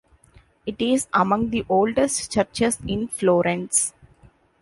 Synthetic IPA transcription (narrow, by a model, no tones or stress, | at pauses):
ɪʈɪzɐmʌ̃ŋ̚d̪iʔoːlɖesʈt͡ʃʌɾt͡ʃesɪ̃nfloːɾɛ̃ns